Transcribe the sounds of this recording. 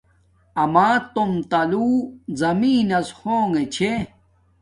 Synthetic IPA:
ɐmaːt̪omt̪ɐluzɐmiːnɐshoːŋɡet͡ɕʰe

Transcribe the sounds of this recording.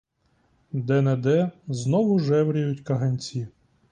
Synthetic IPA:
d̪ɛnɛd̪ɛznɔʋʊʒɛwɾʲijʊtʲkɐɦɐnʲt͡sʲi

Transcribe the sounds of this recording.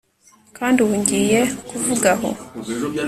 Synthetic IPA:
kaːndiwuɲɟiːje̞kuvuɡaɦo̞̰

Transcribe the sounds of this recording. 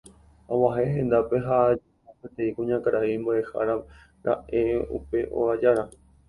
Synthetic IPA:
owaɦeɦẽ̞nd̪ape̞ɦad͡ʒo | apet̪ẽ̞ĩkũɲãkaɾʔaimboʔeha̰ɾa | ɾa̰ʔe̞ṵpe̞ʔo̰ad͡ʒaɾa

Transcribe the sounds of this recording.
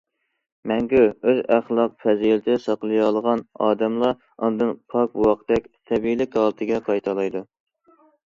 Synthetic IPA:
mɛŋkʲyøzæχlˠɑq̚fʰɛzijlɪt̪ʰɪsɑqlˠɨjɑlˠəʁɑnɑ̰ːd̪ɛmlˠɑ | ɑnd̪ɨnpʰɑk̚buwɑq̪d̪ɛkʲt̪ʰɛbilɪkʲhɑlˠɨt̪ʰɨɡʲɛqʰɑjt̪ʰɑlˠɑjd̪u

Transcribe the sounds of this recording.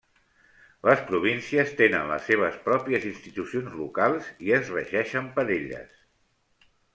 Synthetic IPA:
ləspɾuβ̞insiəst̪enənlə̰sːeβ̞əspɾɔpiəzinst̪it̪usionzlukalˠziəzrə̰ʒɛʃəmpəɾeʎə̰s

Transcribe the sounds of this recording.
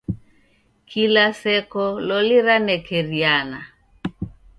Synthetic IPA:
kilasɛkɔlɔliɾanɛkɛɾiana

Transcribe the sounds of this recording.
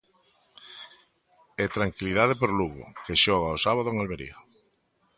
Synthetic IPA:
et̪ɾaŋkiliðaðepoɾluɣo̰keʃɔɣ̞aosaβaðʊeŋalβeɾḭɐ

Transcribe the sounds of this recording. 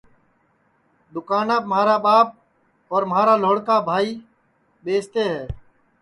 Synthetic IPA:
d̪ʊkaːnaːbmaːɾaːɓaːp̚ | ɔːɾmɦaːɾaːloːɽkaːbʱaːiː | ɓeːst̪eːɦɛː

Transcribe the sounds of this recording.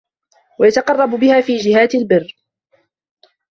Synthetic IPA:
wajat̪ɑqɑrˤːɑbʊbɪhaːfiːd͡ʒɪhaːt̪ɪlbɪrː

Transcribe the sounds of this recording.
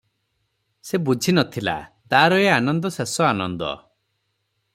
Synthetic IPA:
sebud͡ʒʱinɔt̪ʰila̰t̪aɾɔeanɔnd̪ɔsesɔanɔnd̪ɔ̰

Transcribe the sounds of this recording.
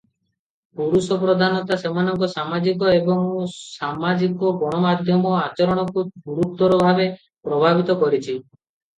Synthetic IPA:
puɾusɔpɾɔd̪ʱanɔt̪asemanɔŋkɔsamad͡ʒikɔebɔŋsamad͡ʒikɔɡɔɽ̃ɔmad̪ʱjɔmɔat͡ʃɔɾɔɽ̃ɔkuduɾut̪ːɔɾɔbʱabe | pɾɔbʱabit̪ɔkɔɾit͡ʃʰi

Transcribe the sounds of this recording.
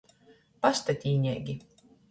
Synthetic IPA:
past̪at̪ʲiːɲʲɛːɡʲi

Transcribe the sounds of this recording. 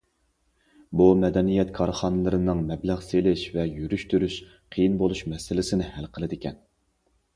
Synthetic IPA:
bumɛd̪ɛnijɛt̪kʰɑɾχɑnɨlˠɨɾɨnɨŋmɛblæʁselɪʃvɛjyɾyʃt̪ʰyɾyʃ | qʰijinbolˠuʃmɛsɪlɪsɪnɪhælqʰəlˠɨd̪ɪkʲɛn

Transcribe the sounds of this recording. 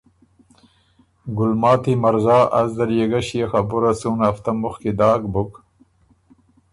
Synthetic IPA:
ɡulmaːt̪imɐɾzaːʔɐzd̪ɐljeɡɐɕijexɐbuɾɐsuːnaft̪ɐmuxkid̪aːkbuk

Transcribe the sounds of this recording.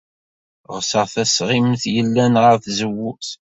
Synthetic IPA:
ʁsəʁθæsʁimθjəlːænʁəɾθzəwːuθ

